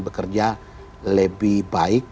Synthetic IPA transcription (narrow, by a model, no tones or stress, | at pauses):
bəkərd͡ʒa | ləbihbaɪk̚